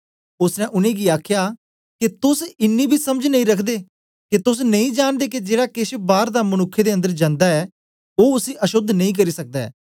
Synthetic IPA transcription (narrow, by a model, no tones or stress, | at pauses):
ʊsnɛ̃ːʔʊnẽːɡiːaːkʰjaː | kit̪ʊsɪnːiːbʱiːsəməd͡ʒnəĩːɾəkʰd̪eː | kit̪ʊs̬nəĩːd͡ʒaːnd̪eːkid͡ʒeːɽaːkɪʃbaːɾd̪aːmənʊkʰːed̪eːə̃nd̪əɾd͡ʒãːnd̪aːɛː | oːʊsiːʔəʃʊd̪nə̃ĩːk̬əɾiːsək̚d̪aɛ̰ː